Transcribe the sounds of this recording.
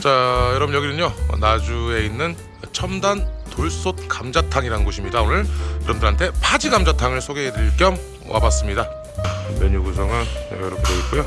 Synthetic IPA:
t͡ɕajʌɾʌbunjʌɡinɯɲo̰nad͡ʑue̞inːɯn | t͡ɕʰʌmdantoɭs͈ot̚kamd͡ʑatʰaŋiɾanɯnɡoɕʰimɲidaonɯɭjʌɾʌbmndɯɾɦantʰe̞pʰad͡ʑiɡamd͡ʑatʰaŋɯɭsʰoɡeediɭk͈jʌm | wʔa̰bas͈ɯmɲida | meɲuɡus̬ʰʌŋɯɭnḛɡajʌɾʌkʰeeik͈ujo

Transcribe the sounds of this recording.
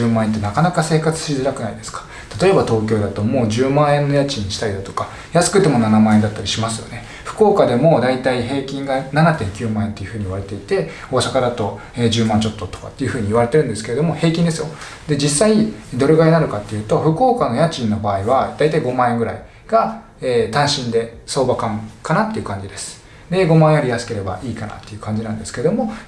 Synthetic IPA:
ɨːmãent̪̬ːe̞nakanakase̞ːkat͡sɨ̥ɕizɨɾakɯ̟naid̪e̞sɨ̥kḁ | t̪at̪o̞e̞bat̪o̞ːk̬ʲo̞ːd̪at̪o̞mo̞ːd͡ʑɨːmãɰ̃ẽnːo̞jat͡ɕĩɲːiɕi̥t̪aid̪at̪oka | jasɨ̥kɯ̟t̪e̞mo̞nanamãːend̪at̪ːaɾʲiɕimasɨjo̞̰ne̞ | ɸɯ̟̥ko̞ːkad̪e̞mo̞d̪ait̪aiɦe̞ːkʲĩŋɡananat̪ẽ̞ŋkʲɨːmãẽ̞t̪e̞jiɯ̟ɸɯ̟ːɲ̟iːiβaɾe̞t̪e̞it̪e̞ | oaɕakaɾat̪o̞ | eːd͡ʑɨːmãɲ̟t͡ɕo̞t̪ːo̞t̪oka̰t̪ːe̞jiɯ̟ɸɯ̟ːɲ̟iːβaɾe̞t̪e̞ɾɯ̟nd̪e̞sɨ̥ke̞e̞d̪o̞mo̞he̞ːkʲĩnd̪e̞sɨjo̞ | d̪e̞d͡ʑisːaid̪o̞ɾeɡaenaɾɯ̟kat̪ːe̞jɯ̟ːt̪o̞ɸɯ̟ko̞ːkano̞jat͡ɕĩnːo̞baːiβad̪ait̪aiɡo̞mãːeŋɡɯ̟ɾa̰i | ɡ̥a | eːt̪ãɰ̃ɕĩnd̪e̞so̞ːbakãŋkanat̪ːe̞iɯ̟kãɲ̟d͡ʑid̪e̞sɨ̥ | d̪e̞ɡo̞mãɰ̃jaɾʲijasɨ̥ke̞ɾe̞ba̰ʔiːkana̰t̪ːe̞jɯ̟kãɲ̟d͡ʑinãnd̪esɨ̥ke̞ɾe̞d̪o̞mo̞

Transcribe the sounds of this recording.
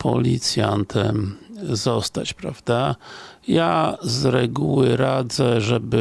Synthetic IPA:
pʰɔ̰lʲit̪sʲjant̪ʰɛmzɔst̪at͡ɕpɾavd̪ajazɾɛɡuwɘɾad̪zɛʐɛbɘ

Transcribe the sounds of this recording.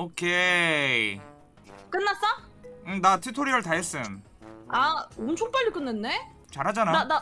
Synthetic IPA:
okʰe | k͈ɯnːas͈ʌɯnatʰɯtʰoɾiɯɭtaɦes͈ɯn | aomt͡ɕʰoŋp͈ʌʎːik͈ɯnːenːe | t͡ɕaɾɦad͡ʑanaa

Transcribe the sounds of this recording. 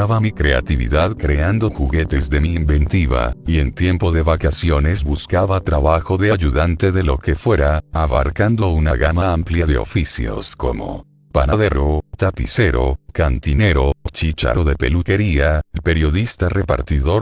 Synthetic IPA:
aβamikɾe̞a̰t̪iβḭðaðkɾe̞and̪o̞xuɣe̞t̪e̞zðe̞miːmbe̞nt̪iβa̰ient̪je̞mpo̞ðe̞βakasjo̞ne̞zbuskaβat̪ɾaβaxo̞ðe̞aʝuðant̪e̞ðe̞lo̞ke̞fwe̞ɾaːβa̰ɾkand̪o̞unaɣamaampljaðe̞o̞̰fisjo̰sko̞̰mo̰ | panaðeɾot̪apḭse̞ɾo̞kant̪ine̞ɾo̞t͡ʃit͡ʃa̰ɾoðe̞pe̞luke̞ɾialpe̞ɾjo̞ðist̪arepa̰ɾt̪iðo̞ɾ

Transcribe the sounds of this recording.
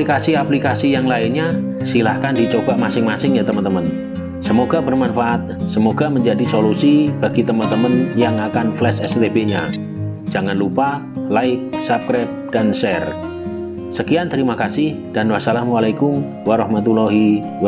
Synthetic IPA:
ikasiaplikasijaŋlaɪnɲa | silahkandit͡ʃob̥aʔmasɪŋmasɪŋjat̪əmənt̪əmən | səmoɡabərmanfaʔat̪̚səmoɡaməɲd͡ʒadisolusib̥aɡ̥it̪əmənt̪əmənjaŋakanflɛsɛst̪ebeɲḁ | d͡ʒaŋanlupa | laɪk̚sap̚kɾɛp̚d̥ansɛr | səkiant̪əɾimakasɪhd̥anwasalamwalakʊm | waɾɔhmat̪ulɔɦi

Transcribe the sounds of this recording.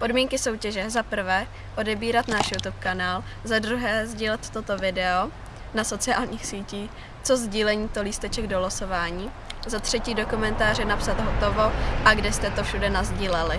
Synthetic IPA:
po̞dmiːŋkɪso̞wcɛʒɛzapr̩vɛː | ʔo̞dɛbiːɾat̪naːʃjut̪upkanaːlzadɾuɦɛːzɟiːlɛt̪ːot̪o̞vɪdɛo̞ | naso̞t͡sɪa̰ːlɲiːxsiːciːx | t͡so̞zɟiːlɛɲiːt̪oliːst̪ɛt͡ʃɛɡdoloso̞vaːɲiː | zat̪r̝̥ɛciːdo̞komɛnt̪aːr̝ɛnapsat̪ɦot̪o̞vo̞ʔaɡdɛst̪ɛt̪o̞fʃudɛnazɟiːlɛlɪ

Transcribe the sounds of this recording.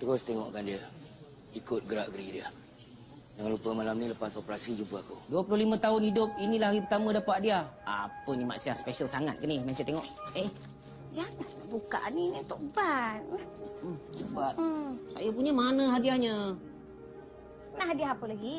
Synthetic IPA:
t̪əɾʊst̪ɛŋɔ̰ʔkandiə | ikʊt̪̚ɡəɾaʔɡɾidiə | d͡ʒaŋanlupəmalamniləpasopɾasid͡ʒupəakuduəpulʊlimə̃t̪aʊnhidʊp̚inilaɦaɣipət̪amə̃dapaʔ̚diaa̰pənima̰ʔsiaspɛsəlsaŋat̪̚kənimansajat̪eŋɔʔe | d͡ʒaŋanbuka̰ʔninit̪ʊʔbat̪̩̚ | ubat̪̩sajap̬uɲəmanə̃ɦadiahɲə | pənahadiaɦapəlaɡi

